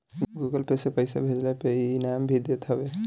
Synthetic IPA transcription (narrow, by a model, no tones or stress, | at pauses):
ɡuɡəlpesepəjsa̰bʱed͡ʒlapeinambʱid̪jət̪ɦəbe